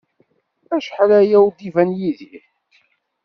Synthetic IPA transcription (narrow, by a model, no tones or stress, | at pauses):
æʃħlæjæwd̪ivænjiði